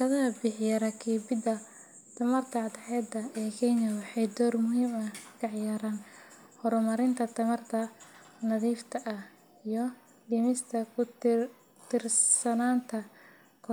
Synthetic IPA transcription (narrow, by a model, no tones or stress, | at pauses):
kʰɐðɐɦɐbɪħjɐɾɐkʰiːbɪd̪ɐ | t̪ʰɐmɐrt̪ʰɐɑd̪ħɛːd̪ɐɛːkʰɛjnɐwɑħɑjd̪ɔːrmʊɦiːmɐkʰɑʕjaːɾaːn | hɔɾʊmɐɾɪnt̪ʰɐt̪ʰɐmɐrt̪ʰɐnɐðiːft̪ʰɐʔɐ | ijɞ | ɖɪmɪst̪ʰɐʊ | t̪ʰɪrsɐnaːnt̪ʰɐ | kʰɔ